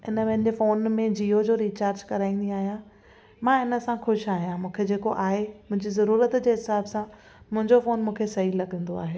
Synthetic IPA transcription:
ɪnəʋɐɦɪnɪd͡ʑefoːnmẽd͡ʑiːod͡ʑoːɾiːt͡ɕaːɾd͡ʑkɐɾaːĩːn̆d̪iaːɦijã | mãɪnə̆sãxʊʃaːɦijãmũːkʰed͡ʑeːkoʔaːɦemʊ̃ɦɪ̃ɲd͡ʑizɐɾuːɾət̪d͡ʑeːɦɪsaːbsã | mʊ̃ɦɪ̃ɲd͡ʑofoːnmũːkʰesɐɦilɐɠə̃nd̪oa̰ːɦeː

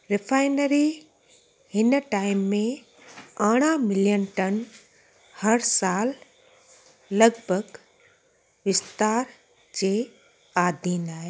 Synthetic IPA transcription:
ɾɪfʰaːɪnəɾi | hɪnʈaːɪmːẽ | aɽ̃amɪljənʈən | hɐɾsaːl | ɐɡbʱəɡ | ʋɪst̪aːɾ | d͡ʑeː | aːd̪ʱiːnaːɦe

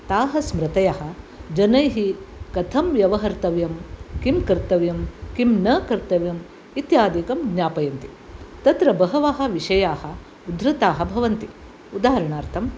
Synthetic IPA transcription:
t̪aːɦɐsmɾɐt̪ɐjaɦɐ̆ | d͡ʒɐnɐjɦikɐt̪ʰɐmʋjɐʋɐɦɐɾt̪ɐʋjɐmkimkɐɾt̪ɐʋjɐmkimnɐːkɐɾt̪ɐʋjɐm | it̪jaːd̪ikɐmɡɲaːpɐjɐnt̪i | t̪ɐt̪ɾɐbɐɦɐʋaɦɐ̆ʋiʂɐjaːhɐ̆ | ud̪ɾɐt̪aːɦɐbʱɐʋɐnt̪i | ud̪aːɐɾɐɳaːɾt̪ʰɐm

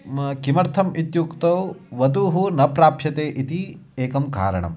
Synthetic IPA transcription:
kimɐɾt̪ʰɐmit̪jukt̪ɐwʋɐd̪uɦunɐpɾaːpʃɐt̪eːʔit̪ieːkɐmka̰ːɾɐ̰ɳɐ̰m

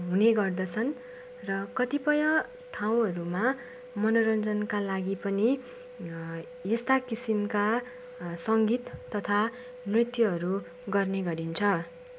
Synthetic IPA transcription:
ɦuneɡʌrd̪ʌt͡sʰʌn | rʌkʌt̪ipʌjʌ | ʈʰaw̃ɦʌɾuma | mʌnoɾʌnd͡zʌnkalaɡipʌni | est̪akisimka | sʌŋɡit̪ːʌt̪ʰa | nrit̪juʌɾu | ɡʌrneɡʌɾint͡sʰʌ

